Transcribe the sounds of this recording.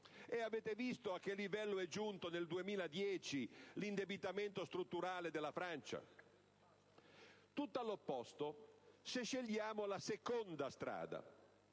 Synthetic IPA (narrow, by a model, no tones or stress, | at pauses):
eaveːt̪evist̪oakːelːivɛlːoɛd͡ʒunt̪oneld̪uemiːlad̪jɛːt͡ʃilind̪ebit̪ament̪ost̪ɾut̪ːuɾaːled̪elːafɾant͡ʃa̰ | t̪ut̪ːalːopːɔst̪oseʃːeʎːjaːmolasekɔnd̪ast̪ɾa̰ːd̪a̰